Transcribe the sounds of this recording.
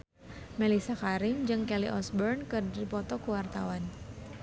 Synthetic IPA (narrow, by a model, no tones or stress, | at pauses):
mɛlisakaɾɪmd͡ʒɨŋkɛlḭʔɔsbɔrnkɨrdipɔt̪ɔkəwart̪awan